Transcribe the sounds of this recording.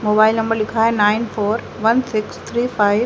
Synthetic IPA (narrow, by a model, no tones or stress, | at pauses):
moːbaːɪlnɐ̃mbəɾlɪkʰaːenaːɪnfoːɾ | ʋɐnsɪkst̪ʰɾiːfaːɪ